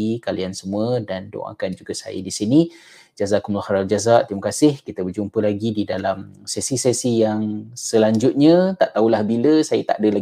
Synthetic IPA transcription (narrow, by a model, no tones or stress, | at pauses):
ikaliansəmuədando̰ŋa̰kand͡ʒuɡasa̰jə̰disini | d͡ʒazaʔkumlahaɾald͡ʒazaʔt̪imakasɪhkit̪əbərd͡ʒumpəlaɡididalamsɛsisɛsijaŋsəlaɲd͡ʒʊt̪̚ɲə̃t̪aʔt̪aulahbiləsajət̪a̰ʔdəla